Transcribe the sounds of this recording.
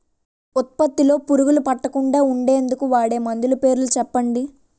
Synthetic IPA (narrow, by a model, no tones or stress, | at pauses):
ut̪̚pɐt̪ːilo̞ːpuɾuɡulupɐʈːɐkuɳɖaːuɳɖe̞ːnd̪ukuʋaːɽe̞ːmɐnd̪ulupe̞ːɾulut͡ʃɛpːɐɳɖi